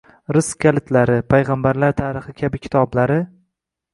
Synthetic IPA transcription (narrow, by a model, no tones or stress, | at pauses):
ɾʊskʲʰːalɪt̪ʰlaɾɪpʰajʁambaɾlaɾt̪ʰaːɾɪχɪkʲʰabɪkʲʰɪ̥t̪ʰɒblaɾɪ